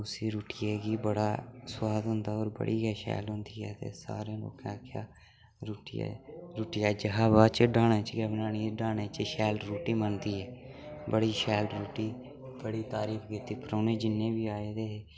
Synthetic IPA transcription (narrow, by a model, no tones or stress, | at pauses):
ʊsiːɾuːʈiːeːɡiːbəɽaːsʊwaːd̪ɦʊnd̪aːɔːɾbə̰ɽiːɡɛːʃɛ̰ːlɦʊ̃nd̪iːɛːt̪ḛːsa̰ːɾẽːlo̰ːkãːkʰja̰ː | ɾuːʈḭɾuːʈijaːd͡ʒəɦaːbaːt͡ʃəɖaːnẽːt͡ʃɡɛːbnaːniːɖaːneːt͡ʃəʃɛːlɾuːʈiːmənd̪iːɛː | bəɽiːʃɛːlɾuːʈiː | b̥əɽiːt̪aːɾiːkʰɡɪt̪iːpɾoːneːd͡ʒɪnːẽːbiːaːeːd̪eːɦeː